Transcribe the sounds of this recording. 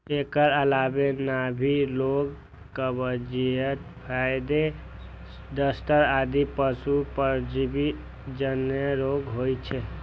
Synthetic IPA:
ekəɾəlabenabʱiloɡ | kəbəd͡ʒijət̪pʰajd̪e | d̪əsʈ̪əɾad̪ipəsupəɾd͡ʒibi | d͡ʒəneɾoɡɦojt͡ʃʰɛ

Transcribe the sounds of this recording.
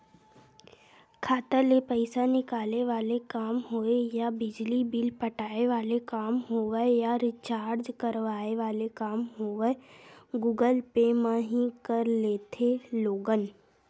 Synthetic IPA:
kʰaːt̪əlepəɪsanɪkaːleʋaːlekaːmɦoːejabɪd͡ʒlibɪlpəʈaːeʋaːlekaːmɦoʋəjaɾɪt͡ʃaːɾd͡ʒkəɾʋaːeʋaːlekaːmɦoːʋəɡuːɡəlpemãːɦĩkəɾleːt̪ʰeloːɡən

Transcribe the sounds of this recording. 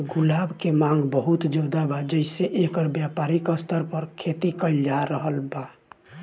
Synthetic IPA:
ɡulabkemãŋɡbəɦut̪d͡ʒəd̪abad͡ʒəɪseʔekəɾbjapaɾikəst̪ʰəɾpəɾkʰet̪ikəɪld͡ʒaɾəɦəlba

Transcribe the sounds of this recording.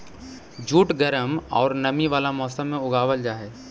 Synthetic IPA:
d͡ʒuːʈɡəɾəmɔ̰ːɾnɐmiʋaːlamɔːsəmːẽʊɡaːʋəld͡ʒaːɦɛː

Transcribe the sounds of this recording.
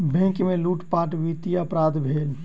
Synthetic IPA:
bʱẽŋkmeluʈpaʈʋit̪ijəpɾad̪ʱbʱel

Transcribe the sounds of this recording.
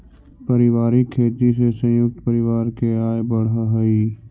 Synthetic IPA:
pəɾɪwaːɾikʰːeːt̪isesə̃jʊk̚t̪pəɾɪwaːɾkeaːebəɽɦaɦəi

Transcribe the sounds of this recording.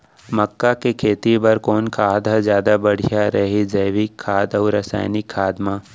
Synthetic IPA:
mɐkːakekʰeːt̪ibɐɾkoːnkʰaːd̪ʱazjaːd̪abɐɽ̤ʱijaɾɐɦid͡ʒɛːʋikʰːaːd̪ɐːɾɐsa̰ːɪnɪkʰːaːd̪mãː

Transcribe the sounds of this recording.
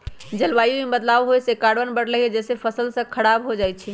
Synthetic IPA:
d͡ʒəlbajumebət̪lawɦojsekaɽbənbəɽləɦied͡ʒesepʰəsəlsə̃kʰəɽabɦod͡ʒajt͡ʃʰi

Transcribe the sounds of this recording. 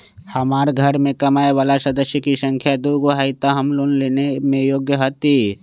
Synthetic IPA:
hɐmaːɾɡʱɐɾmẽkɐmaːeʋaːlasɐd̪əsjəkisə̃ŋkʰjad̪uɡʋɦait̪aɦɐmloːnleːnemẽjoːɡjəɦət̪i

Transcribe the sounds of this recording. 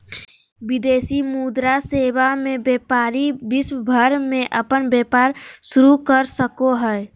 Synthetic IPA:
ʋɪd̪eːsimuːd̪ɾaseːwamẽbeːpaːɾibɪswbʱəɾmẽʔəpənbeːpaːɾʃʊɾukəɾsəkoɦɛ

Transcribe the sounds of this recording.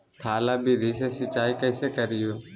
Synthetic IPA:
t̪ʰaːlaːbiːd̪ʱiːseːsɪt͡ʃaːiːkəɪseːkəɾɪjoː

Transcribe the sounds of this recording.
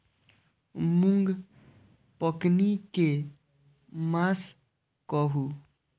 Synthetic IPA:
muŋɡ | pɔknike | mas | kɔɦu

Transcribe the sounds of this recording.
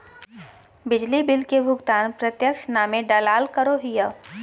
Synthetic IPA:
bɪd͡ʒlibɪlkebʱʊɡt̪aːnpɾət̪jəkʃnaːmẽɖalaːlkəɾoɦɪjaː

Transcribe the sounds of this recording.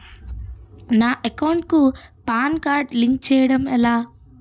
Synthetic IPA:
naːʔekɐwɳʈ̚kupaːnkaːɾʈliŋk̚t͡ʃɛːjɐɽɐmɛlaː

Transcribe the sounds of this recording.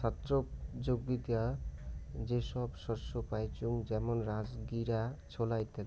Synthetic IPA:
t͡sʰat̪rod͡zoɡbid̪ja | d͡zesʌbsɔrsopajt͡suŋd͡zemɔnɾad͡zɡiɾat͡sʰolajt̪e

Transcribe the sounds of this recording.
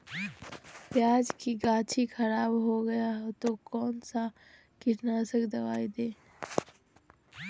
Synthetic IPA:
pjaːd͡ʒkiɡaːt͡ʃʰixʰɐɾaːbɦoɡɐjaɦt̪okɔːnsa | kɪʈnaːsəkd̪ɐʋaːid̪eː

